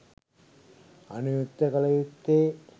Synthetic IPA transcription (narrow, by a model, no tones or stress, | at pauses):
ɐ̰nujut̪ːɐkɐlɐjut̪ːeː